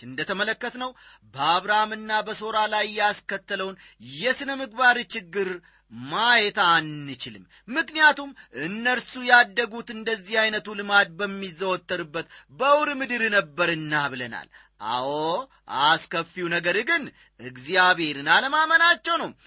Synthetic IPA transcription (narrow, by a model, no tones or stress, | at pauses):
ɨnd̪ət̪ʰəmələkːət̪nəwbəaβɾamɨnːabəso̞ɾalajːɛaskət̪ːələwnjɛsɨnəmɨɡbaɾt͡ʃɪɡːɨɾ | majɛt̪anːɨt͡ʃɪlɨ̰mːɨknijat̪umʔɨnːəɾsujɛad̪ːəɡut̪ɨnd̪əzːihajnət̪ulɨmad̪̚bəmːizːəwɔt̪ːəɾɨbːət̪bəwɾmɨd̪ɨɾnəbːəɾɨnːaβɨləna̰l | ʔa̰wo | ʔaskəfːiwunəɡəɾɡɨn | ɨɡzjaβhe̞ɾɨnaləmamənat͡ʃːɛwnəwm